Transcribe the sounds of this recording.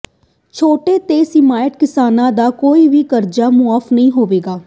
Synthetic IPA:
t͡ʃʰoːʈeːt̪eːsɪmaːjəʈkɪsaːnãːd̪aːkoːiːʋiːkəɾd͡ʒaːmʊaːfnəɦĩːɦoːʋeːɡaː

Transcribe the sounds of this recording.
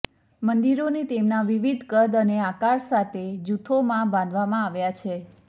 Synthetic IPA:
mənd̪iɾonit̪emnaʋiʋid̪ʱkəd̪əneakaɾsat̪ʰed͡ʒut̪ʰomãbãnd̪ʱʋamãaʋjat͡ʃʰe

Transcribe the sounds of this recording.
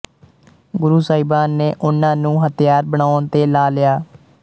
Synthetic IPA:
ɡʊɾuːsaːibaːnːeːʔʊnãːnũːɦət̪jaːɾbəɳaːʊnt̪eːlaːlɪjaː

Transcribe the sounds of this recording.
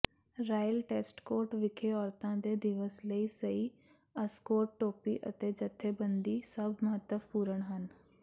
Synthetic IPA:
ɾaːjəlʈeːsʈkoːɾʈʋɪkʰeɔːɾt̪ãd̪ed̪ɪʋəsləisɐi | ɐskoːʈːoːpiʔə̰t̪ed͡ʒɐt̪ʰːebə̃nd̪isɐbʱmɐɦət̪ːəfpuːɾəɽ̃ɦən

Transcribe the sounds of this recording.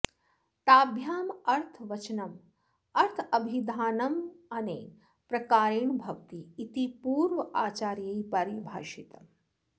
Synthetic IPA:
t̪aːbʱjaːmɐɾt̪ʰʋɐt͡ʃnɐm | ɐɾt̪ʰɐbʱid̪ʱaːnɐmɐne | pɾɐkaːɾiɳbʱɐkt̪iːt̪ipuːɾʋəaːt͡ʃaːɾjɐjpɐɾibʱa̰ːʃit̪ɐ

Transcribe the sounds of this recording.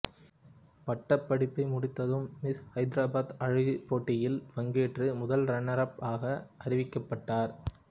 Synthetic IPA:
pɐʈːɐpːɐɽɪpːɐɪmʊɽɪt̪ːɐðɯmːɪshɐɪd̪ɾaːbaːd̪ɐɻɯɣipːoːʈːɪjɪlʋɐŋɡeːʈrɯmʊðɐlɾɐɳːɐɾɐpaːɣɐʔɐɾɪʋɪkːɐpːɐʈːaːɾ

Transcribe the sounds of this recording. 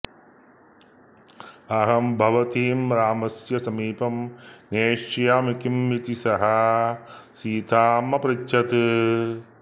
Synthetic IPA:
ɐɦɐmbʱɐʋɐt̪iːmɾaːmɐsjɐsɐmiːpɐmneːʂjaːmikimːit̪isɐɦɐ | siːt̪ʰaːmɐpɾitt͡ʃɐt̪

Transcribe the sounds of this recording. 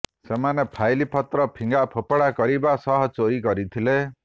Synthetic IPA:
semanepʰajlipʰɔt̪ɾɔpʰiŋɡapʰopɔɽakɔɾibasʌɦɔt͡soɾiɡʌɾit̪ʰile

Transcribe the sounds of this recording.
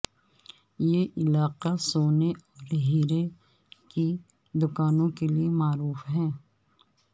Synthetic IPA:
jeːʔɪlaːqasoːneʔɔːɾɦiːɾe | ki | d̪ʊkaːnõkeliemaːɾuːfɦɛ̃ː

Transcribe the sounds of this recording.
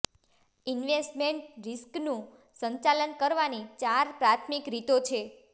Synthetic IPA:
inʋesʈmeɳʈɾisknũ | sə̃ɲt͡ʃalənkəɾʋanit͡ʃaɾpɾat̪ʰmikɾit̪ot͡ʃʰe

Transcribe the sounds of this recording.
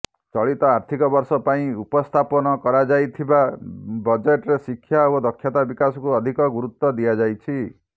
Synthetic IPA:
t͡ʃɔɭit̪ɔaɾt̪ʰikɔbɔɾsɔpaĩupɔst̪ʰapɔnɔkɔɾad͡ʒajt̪ʰibabɔd͡ʒeʈɔɾesikʰːjaɔd̪ɔkʰːjat̪abikasɔkuɔd̪ʱikɔɡuɾut̪ːɔd̪iad͡ʒajt͡ʃʰi

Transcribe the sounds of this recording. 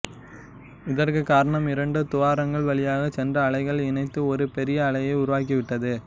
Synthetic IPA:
ɪðɐrkɯkːaːɾɐɳɐmɪɾɐɳɖɯt̪ʊʋaːɾɐŋɡɐɭʋɐɭɪjaːɣɐt͡ʃɛndrɐːɭɐɪɣɐɭɪnɐɪt̪ːɯɔɾɯpɛɾɪjɐːɭɐjɐɪʊɾʊʋaːk̬iʋɪʈːɐðɯ

